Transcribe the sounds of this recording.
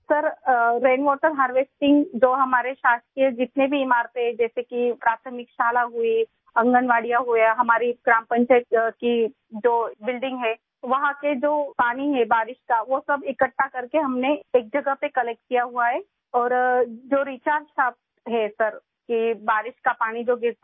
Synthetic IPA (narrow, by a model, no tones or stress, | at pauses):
sɐɾɾeːnʋɔːʈəɾɦaːɾʋeːsʈɪ̃ŋɡd͡ʒoːɦɐmaːɾeʃaːst̪ɾied͡ʒɪt̪nebʱiːmaːɾped͡ʒɛːsekipɾaːt̪ʰəmɪkʃaːlaɦui | ɐ̃ŋɡənʋaːɽijaɦuaɦɐmaːɾiɡɾãːmpə̃ɲt͡ʃaːɪt̪ki | d͡ʒoːbɪlɖɪ̃ŋɡɦɛː | ʋɐɦãked͡ʒoːpaːniɦɛbaːɾɪʃkaʋosɐbɪkəʈːakɐɾkeɦɐmneeːk̚d͡ʒɐɡəɦpekɐlɛk̚ʈ̚kijaɦuaɦɛː | ɔːɾd͡ʒoːɾiːt͡ʃaːɾʃaːp̚t̪ɦɛsɐɾ | kibaːɾɪʃkapaːɽ̃id͡ʒoːɡɪɾt̪